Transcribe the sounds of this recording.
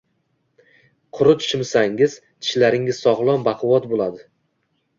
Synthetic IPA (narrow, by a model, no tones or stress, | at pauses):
qʰʊɾʊt̪ʰʊ̥ʃɪmsaŋɪz | t̪ʰɪ̥ʃlaɾɪŋɪz̥sɒʁlˠɒmbɑqʰʊwɒt̪bolˠad̪ɪ